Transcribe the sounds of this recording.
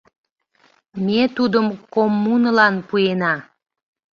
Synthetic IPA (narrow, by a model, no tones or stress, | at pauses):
met̪ud̪əmkomːunəlɑnpuenɑ